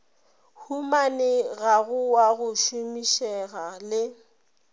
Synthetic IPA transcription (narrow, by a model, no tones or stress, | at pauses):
humanɪɣaɣʊwaɣʊʃumiʃɛɣalɪ